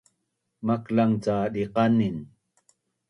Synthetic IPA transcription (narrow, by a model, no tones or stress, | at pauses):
maklaŋt͡saɗiqanin